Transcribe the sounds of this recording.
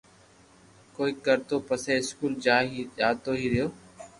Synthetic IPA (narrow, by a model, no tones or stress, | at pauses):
koːiːkəɾt̪oːpəseːɪskuːld͡ʒaːɦiːʄaːt̪oːɦiːɾɪjoː